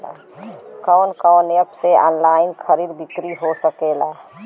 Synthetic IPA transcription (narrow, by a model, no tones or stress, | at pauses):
a̰ | kəwnkəwnejəpsea̰ːnlaːɪnkʰəɾiːd̪bikɾiɦosəkela